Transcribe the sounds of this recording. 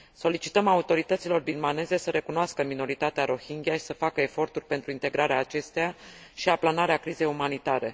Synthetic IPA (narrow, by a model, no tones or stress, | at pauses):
so̞lit͡ʃi̥t̪əmaut̪o̞ɾit̪ət̪silo̞rbilmane̞ze̞səɾe̞kunoaskəmino̞ɾit̪at̪eaɾo̞hiŋɡʲijaʃi̥səfakəefo̞rt̪urʲpe̞nt̪ɾuint̪e̞ɡɾaɾeaːt͡ʃe̞st̪eja | ʃiaplanaɾeakɾize̞jumanit̪aɾe̞̰